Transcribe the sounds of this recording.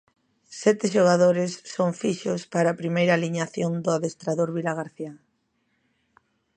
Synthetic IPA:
sɛt̪ɪʃ̬oɣ̞aðoɾɪsːoɱfiʃʊspaɾaːpɾimejɾaːliɲaθjond̪ʊaðest̪ɾaðoɾβilaɣ̞aɾθia

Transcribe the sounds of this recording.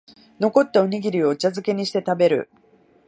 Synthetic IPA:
no̞ko̞t̪ːaoɲ̟iɡʲiɾʲio̞t͡ɕazɨke̞ɲ̟iɕi̥t̪e̞t̪abe̞ɾɯ̟̰

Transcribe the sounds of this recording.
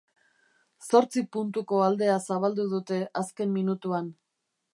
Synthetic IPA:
so̞ɾt͡sipunt̪uko̞ald̪e̞asaβald̪uð̞ut̪e̞ʔaske̞mminut̪uan

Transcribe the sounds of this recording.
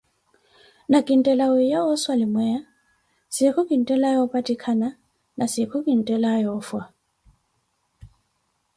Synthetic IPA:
nakʼin̩tʼɛlawejaɔswalɪmwɛa | sɪkʰʊkʼin̩tʼɛlajɔpʼatʼikʰana | nʔasɪkʰʊkʼin̩tʼɛlajɔfwa

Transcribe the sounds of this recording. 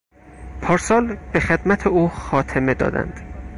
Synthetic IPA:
pʰɒːɾsɒːlb̥exe̞d̪mæt̪ʰeuːxɒːt̪ʰeme̞d̪ɒ̰ːd̪æ̰nd̪̥

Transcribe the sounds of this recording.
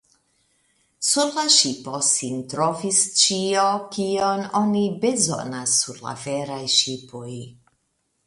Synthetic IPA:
suɾlaʃipo̞sintɾovist͡ʃiokiononibezo̰nasːuɾla̰veɾajʃipoj

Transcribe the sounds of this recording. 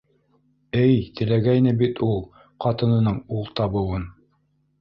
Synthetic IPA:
ɘjt̪ɘ̆læɡæjnɘbit̪ulˠ | qɑt̪ɤ̆nɤ̆nɤɴulˠt̪ɑβɤ̆wɤn

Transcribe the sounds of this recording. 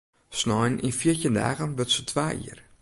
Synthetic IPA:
snɔjnʔḭnfiətənda̰ːɣənʋətsətʰʋaːḭər

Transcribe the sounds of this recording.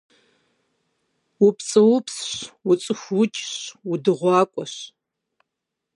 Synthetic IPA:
wʊpt͡sʼɨwʊpsɕwʊt͡sʼɨxʷut͡ʃʼɕwʊdɨʁʷɑːkʷʼɔɕ

